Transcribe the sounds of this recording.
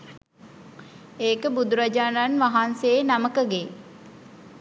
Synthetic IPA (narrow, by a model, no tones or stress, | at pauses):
eːkəbud̪uɾad͡ʒaːnanʋaɦanseːnaməkəɡe